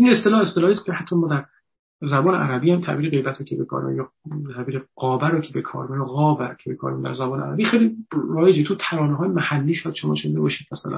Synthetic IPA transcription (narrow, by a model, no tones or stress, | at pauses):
ʔinest̪e̞lɒːhest̪elɒːhiːscʰehæt̪ʰːɒmɒːd̪æɾ | zæbɒːneʔæɾæbiːhæmt̪ʰæ̰ʔbiːɾeɣe̞jbæt̪ʰɾocʰebekʰɒ̰ːɾḭmjɒ | t̪ʰæbiːɾeʁ̥ɒːbæɾocʰebekʰɒ̰ːɾminɣɒːbæɾcʰebekʰɒ̰ːɾimd̪æ̰ɾzæbɒːnḛæ̰ɾæ̰biːxejliɾɒːjed͡ʒet̪ʰut̪ʰæɾɒːneɦɒːjemæhælːiːʃojæd̪ʃomɒ̰ːʃenid̪ebɒːʃiːd̪̥mæsæ̰læ̰n